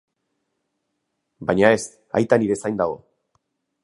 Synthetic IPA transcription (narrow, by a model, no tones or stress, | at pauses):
bajɲae̞st̪ | a̰jt̪aniɾe̞sajnd̪aɣo̞